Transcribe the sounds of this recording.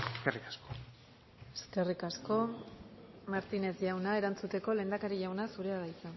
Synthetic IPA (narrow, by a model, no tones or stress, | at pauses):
eskerikasko | e̞̥ske̞rikasko̞ | maɾt̪ine̞sʝawnae̞ɾant͡sut̪e̞ko̞le̞ːnd̪akaɾiʝawnasuɾe̞aðaisan